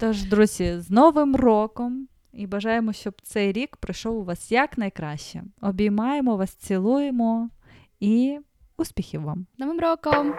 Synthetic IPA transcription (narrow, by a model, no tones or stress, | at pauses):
t̪ɔʒd̪ɾuzʲiznɔʋɪmrɔkɔm | ibɐʒɑjemɔʃt͡ʃɔbt̪sɛjɾʲikpɾɪjʃɔwʊʋɑsjɐknɐjkɾɑʃt͡ʃɛ̰ɔbʲijmɑjemɔʋɑst͡sʲilˠujemɔ | i | uspʲixʲiwʋamnɔʋɪmrɔkɔm